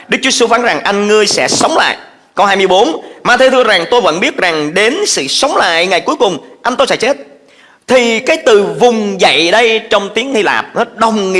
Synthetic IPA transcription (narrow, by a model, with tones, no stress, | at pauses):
ɗɨ˦˥k̚t͡ɕu˦su˧faː˨˦nza˨˩ŋʔa˧jŋŋɨ˧əjsɛ̰˧˥sə˨˦wŋ͡mla̰ː˧˨j | kə˧wɦaː˧jmɨ˧əjɓo˨˦nmaː˧t̪ʰe˧t̪ʰɨ˧əza˨˩ŋt̪o˧jvə̰˧˥nɓi˦˥ət̚za˨˩ŋɗe˨˦nsɨ̰˧˨sə˨˦wŋ͡mla̰ː˧˨jŋa˨˩jku˨˦jkʊ˨˩ŋ͡mʔa˧jn̟t̪o˧jsɛ̰˧˥t͡ɕe˦˥t̚ | t̪ʰi˨˩kaː˨˦jt̪ɨ˨˩vʊ˨˩ŋ͡mzə̰˧˨jɗə˧jt͡ɕɔ˧wŋ͡mt̪i˨˦əŋhi˧la̰ː˨˩p̚nɔ˨˦ɗə˨˩wŋ͡mŋḭ˨